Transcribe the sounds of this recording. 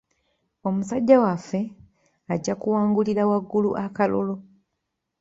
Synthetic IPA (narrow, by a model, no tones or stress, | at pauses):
o̞musaɟːawafːe̞ | aɟːakuwaːŋɡuliɾawaɡːuluʔakalo̰lo̞